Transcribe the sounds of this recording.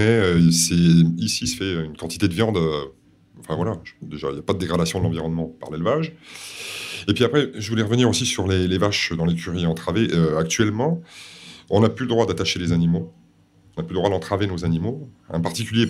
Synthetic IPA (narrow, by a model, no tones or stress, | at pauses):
ɛøsɛisisə̥fɛynkɑ̃t̪i̥t̪ed̪əvjɑ̃d̪ø | ɑ̃fɛ̃vwalaʒd̪eʒailjapad̪əd̪eɡʁad̪asjɔ̃d̪əlɑ̃viʁɔnmɑ̃pa̰ʁlelvaʒ | epɥiapχɛʒəvulɛʁəvəniʁosisyʁlelevaʃd̪ɑ̃lekʲyʁiɑ̃t̪χaveʔøak̚t̪ɥɛlmɑ̃ | ɔ̃naplyləd̪ʁwad̪at̪aʃelezanimo | ɔ̃naplyləd̪ʁwad̪ɑ̃t̪χavenozanimo | ɑ̰̃paʁt̪ikʲylje